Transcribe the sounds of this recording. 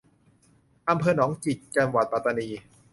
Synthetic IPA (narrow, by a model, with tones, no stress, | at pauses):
ʔa˧mpʰɤː˧nɔː˩˦ŋt͡ɕi˨˩t̪̚t͡ɕa˧mwa˨˩t̪̚pa˨˩t̪ːa˧niː˧